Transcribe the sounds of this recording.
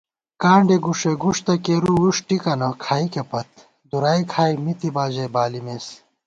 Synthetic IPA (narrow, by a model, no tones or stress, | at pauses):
kaːɳɖeɡuʂeɡuʂt̪ɐkeːɾuuʂʈikɐnɐkʰaːikepɐt̪̚ | d̪uɾaːikʰaːjmit̪ibaːd͡ʑɐjbaːlimes